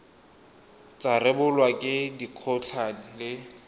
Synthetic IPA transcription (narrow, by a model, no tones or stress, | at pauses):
t͡sʼarɪbʊlwakʼɪdiq͡χʰɔt͡ɬʰan̩lɪ